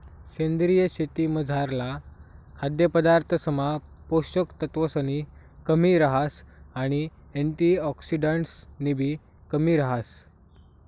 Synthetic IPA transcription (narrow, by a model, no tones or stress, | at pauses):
ɕend̪ɾijəɕet̪iːməd͡zʱaɾlakʰad̪jəpəd̪aɾt̪ʰəsəmapoɕəkt̪ət̪ʋəsəni | kəmiɾəɦasaɽ̃i | eɳʈiɔksiɖaɳʈsnibʱiː | kəmiːɾəɦas